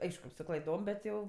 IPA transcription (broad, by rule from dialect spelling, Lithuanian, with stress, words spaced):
ˈɐɪʃkʊ sʊ klˠɐɪˈdoːm bʲɛt ˈjɛʊ